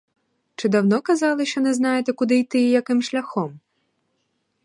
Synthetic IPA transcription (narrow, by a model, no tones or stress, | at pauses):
t͡ʃɪd̪ɐwnɔkɐzɑlˠɪʃt͡ʃɔnɛznɑjet̪ɛkʊd̪ɪjt̪ɪjjɐkɪmʃlʲɐxɔm